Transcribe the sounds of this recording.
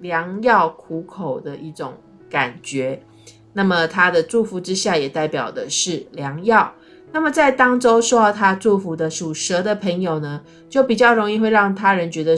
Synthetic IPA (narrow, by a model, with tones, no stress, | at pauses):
ljɑ˧˥ŋjɑ˥˩ʊkʰu˧˥kʰo˨˩ʊd̪ə˦ʔi˥˩ʈ͡ʂʊ̰˨˩ŋ | ka˨˩nt͡ɕɥɛ˧˥ | na˥˩mə˨t̪ʰa˥d̪ə˨ʈ͡ʂu˥˩fu˨˥ʈ͡ʂɻ̩˦ɕja˥˩jɛ˨˩t̪a˥˩ɪpjɑ̰˨˩ʊd̪ə˦ʂɻ̩˥˩ljɑ˧˥ŋjɑ˥˨˩ʊ | na˥˩mə˨˩t͡sa˥˩ɪt̪ɑ˥ŋʈ͡ʂo˥ʊʂwɔ˥˧˩t̪ʰa˦˥ʈ͡ʂu˥˩fu˧˥d̪ə˨ʂu˨˩ʂə˧˥d̪ə˨pʰə˧˥ŋjo˨˩ʊnə˦ | t͡ɕjo˥˩ʊpi˨˩t͡ɕjɑ˥˩ʊɻo˧˥ŋi˥˧xwe˥˧ɪɻɑ˥˩ŋt̪ʰa˥ɻə˧˦nt͡ɕɥɛ˧˥d̪ə˧